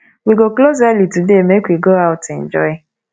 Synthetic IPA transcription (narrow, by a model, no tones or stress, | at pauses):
wiɡokloz̬alitudemekwiɡoaʊtɛ̃n̩d͡ʒɔ̰ɪ